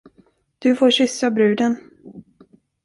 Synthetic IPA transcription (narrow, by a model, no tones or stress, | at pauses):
d̪̥ɵfoːɕʏsːabɾʉ̟ːd̪ən